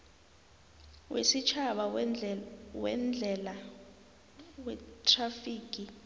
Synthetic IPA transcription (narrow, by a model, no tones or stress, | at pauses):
wḛsit͡ʃʰaɓa | wɛ̰nd͡ɮʱɛla | wɛtʰʼrafiːk̬ʼi